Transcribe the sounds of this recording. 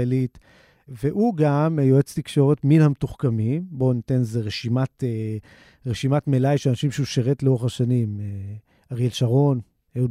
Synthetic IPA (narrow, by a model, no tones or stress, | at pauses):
elit | veʔuɡamjoet͡st̪ikʃo̞ʁetminhametuχkamimbo̞nitenzeʁeʃimate | ʁeʃimatmelajʃelanaʃimʃeuʃeʁetleoaʃanime | aʁjelʃaʁo̞n | eud